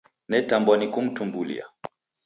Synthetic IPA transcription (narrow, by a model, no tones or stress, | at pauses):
nɛtambɔnikum̩tumbulḭa̰